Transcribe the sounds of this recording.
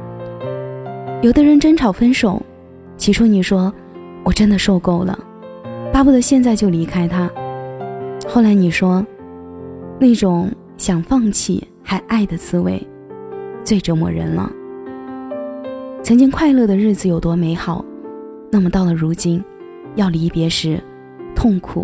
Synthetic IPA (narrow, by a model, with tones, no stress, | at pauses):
jo˨˩ʊd̪ə˦˧ɻə˧˥nʈ͡ʂə˥nʈ͡ʂʰɑ˨˩ʊfə˥nʂo˨˩˦ʊ | t͡ɕʰi˧˥ʈ͡ʂʰu˥ni˨˩ʂwɔ˥ | wɔ˨˩ʈ͡ʂə˥nd̪ə˨ʂo˥˧ʊko˥˩ʊlə̰˩ | pa˥pu˥˩d̪ə˧˩ɕjɛ˥˧nt͡sa˥˧ɪt͡ɕjo˥˩ʊli˧˥kʰa˥ɪt̪ʰa˥ | xo˥˩ʊla˧˥ɪni˨˩ʂwɔ˥ | na˥˩ɪʈ͡ʂʊ˨˩ŋ | ɕjɑ˨˩ŋfɑ˥˧ŋt͡ɕʰḭ˥˩ | xa˧˥ɪʔa˥˩ɪd̪ə˩sɹ̩˥wḛ˥˩ɪ | t͡swe˥˩ɪʈ͡ʂɤ˧˥mwɔ̰˨˩ɻə̰˧˥nlə̰˧ | t͡sʰɤ˧˥ŋt͡ɕi˥ŋkʰwa˥˧ɪlɤ˥˩d̪ə˩ɻɻ̩˥˩d͡zɹ̩˩jo˨˩ʊt̪wɔ˥me˧˥ɪxɑ˨˩˦ʊ | na˥˩mə˩t̪ɑ˥˩ʊlə˩ɻu˧˥t͡ɕi˥n | jɑ˥˩ʊli˧˥pjɛ˧˥ʂɻ̩˧˥ | t̪ʰʊ˥˩ŋkʰṵ˨˩˦